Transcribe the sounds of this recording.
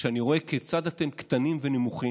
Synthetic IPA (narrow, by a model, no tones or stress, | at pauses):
ʃeaniʁo̞e̞ket͡sad̪hat̪e̞mkt̪animvenimuχi